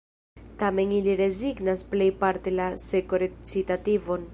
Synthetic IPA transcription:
tame̞niliɾe̞ziɡnasple̞jpaɾte̞lasekoɾet͡sitativo̞n

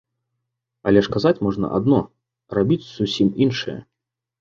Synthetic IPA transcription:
ɐ̰lʲɛʂkazat͡sʲmɔʐnɐ̰ʔa̰d̪nɔ | rabʲit͡sʲsusʲiminʂɨjɐ̰

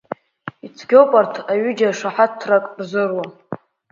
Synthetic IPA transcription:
it͡sʰɡʲowpʼartʰaɥʏd͡ʒaʂaħatʰːrakʼrzɨrwa

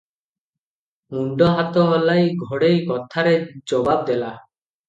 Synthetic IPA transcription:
uɳɖɔɦat̪ɔɦɔlajɡʱɔɽejkɔt̪ʰaɾed͡ʒɔbab̚d̪ela

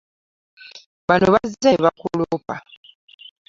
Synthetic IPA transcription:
βanoβazzeβakulopa

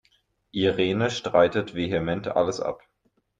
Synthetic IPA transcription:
ʔiʁeːnəʃtʁ̥aɪtətv̥eɦemɛntʔa̰ləsʔa̰p

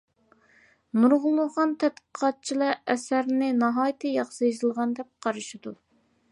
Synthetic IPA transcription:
nuɾʁʊlˠːʊχɑnt̪ʰɛt̪̚qə̥qʰɑt̪̚t͡ʃʰilˠɑɾɛsæɾnɪnɑɦɑːjt̪ʰɨjɑχsɨjizɨlˠʁɑnd̪ɛp̚qʰɑɾɨʃɪd̪u

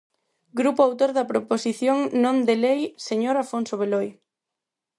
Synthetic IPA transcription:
ɡɾupoawt̪oɾðɐpɾoposiθjoŋnõnd̪elejseɲoɾafonsoβ̞eloj

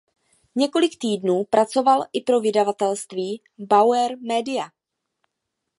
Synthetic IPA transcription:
ɲɛko̞lɪkt̪iːdnuːpɾʔat͡so̞valʔɪpɾo̞vɪdavat̪ɛlst̪viː | bawɛɾmɛːdɪa

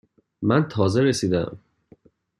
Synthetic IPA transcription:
mænt̪ʰɒːzeɾesiːd̪æ̰m

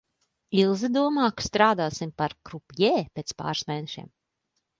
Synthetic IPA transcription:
ilˠzid̪uɔmɑːkst̪ɾaːd̪aːsimpaɾkɾupjɛːpʲeːt̪spa̰ːɾsmɛjnɛʃḭɛm

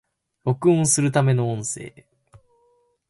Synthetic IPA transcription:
jo̞kɯ̟õɰsɨɾɯ̟t̪ame̞no̞õɰ̃se̞̰ː

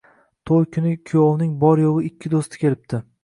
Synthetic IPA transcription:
t̪ʰojkʲʰʊnɪkʲʰʊjɒwnɪŋbɒɾjoʁɪɪkʲʰːɪd̪ost̪ɪ̥kʲʰe̞lɪp̚t̪ʰɪ

